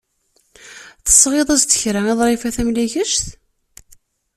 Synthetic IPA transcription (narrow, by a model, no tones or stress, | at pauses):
θə̥sˤːʁeðˤæzt̪ə̥çɾææðˤɾˤifæθæmlæçəʃt̪